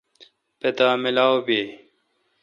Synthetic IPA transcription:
pet̪aːmilawbe

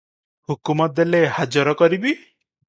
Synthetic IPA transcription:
hukumɔelehad͡ʒɔɾɔkɔɾibi

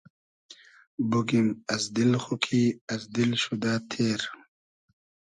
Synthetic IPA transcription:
buɡimɐzd̪ilxukʰiːɐzd̪ilɕud̪aːt̪ʰeːɾ

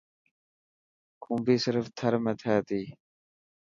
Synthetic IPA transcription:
kʰũːmbiːsɪɾft̪ʰəɾmẽt̪ʰɛːt̪iː

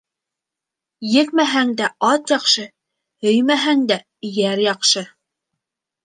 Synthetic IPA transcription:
jɘ̆k̚mæɦæŋd̪æɑt̪jɑqʃɤ | hɵjmæɦæŋd̪æ | jæɾjɑqʃɤ

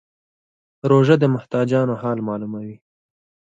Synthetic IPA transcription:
ɾoʒəd̪əmʊht̪ɑd͡ʒɑnohɑlmɑlumawi

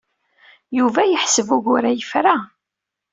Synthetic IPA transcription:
juvæjəħsəvʊʝʊɾæjəfɾa

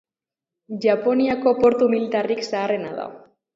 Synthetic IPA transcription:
ʝapo̞niako̞po̞ɾt̪umilit̪ariksaːre̞naða̰

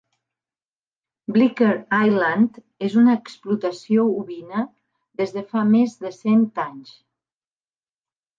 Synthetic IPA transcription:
blikəɾajlant̪ | ezunəːksplut̪əsiouβinə | ðezðəfamezðəsent̪aɲs

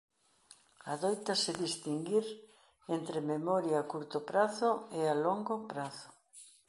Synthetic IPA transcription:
aðojt̪aseðist̪iŋɡiɾ | ent̪ɾememɔɾjakuɾt̪opɾaθʊealoŋɡopɾaθʊ̥

